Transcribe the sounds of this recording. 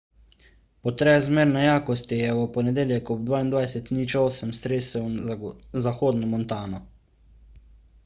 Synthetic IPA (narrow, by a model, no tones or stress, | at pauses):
pɔt̪ɾɛzmeːɾnajaːkɔst̪ijɛɔpɔnɛd̪eːljɛkɔb̚d̪ʋaːind̪ʋajsɛt̪nit͡ʃɔːsɛmst̪ɾeːsɛw | zaxoːd̪nɔmɔnt̪aːnɔ